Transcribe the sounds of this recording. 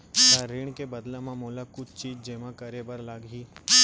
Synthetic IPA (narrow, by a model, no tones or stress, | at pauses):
t̪aɾɪɳkebəd̪lãmãmoːlakʊt͡ʃʰt͡ʃiːd͡ʒd͡ʒeːmãkəɾebəɾlaɡɦiː